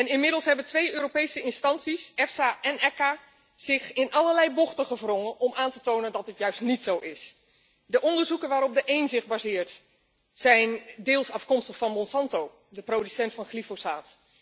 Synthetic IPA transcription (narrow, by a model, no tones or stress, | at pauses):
ɛnɪnmɪdəlˠsɦɛbəntʋejøːropejsəɪnstɑnsisɛfsaʔɛnɛka | z̥ɪxɪnʔɑləɹlɛjbɔχtəχəvrɔŋənʔɔmaːntətownəndɑt̚dətjœɥstnitsowʔɪs | dəʔɔndəɹzukənʋaːɾɔb̚dəʔejnzɪχbaːzɪːɹt | sɛjndɪːlˠsɑfkɔmstəχfɑnmɔnsɑntow | dəprodysɛntfɑnχlifosaːt